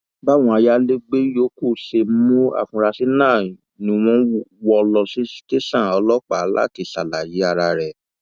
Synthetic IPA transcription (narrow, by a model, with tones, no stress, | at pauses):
ba˦w̃ɔ̃˧a˧ja˧le˦ɡ͡be˦jo˨˦ko˦˨ʃe˧˦mo˦a̰˦˨fũ˧ɾa˧si˦nãː˦˨ | nĩ˧w̃ɔ̃˧˦wɔ˧lɔ˧si˦te˦sã˦˨ɔ˧lɔ˦k͡pa˨˦la̰˦ti˧˨sa˨la˨ji˨˦a˧ɾa˧ɾɛ˨